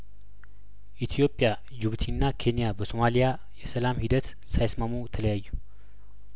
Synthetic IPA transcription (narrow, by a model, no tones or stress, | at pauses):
ʔit̪ʰijo̞pʼːja | d͡ʒuβt̪ʰinːakʰe̞nijabəso̞malija | jɛsəlamhid̪ət̪ | sajsmamujt̪ʰələjajːu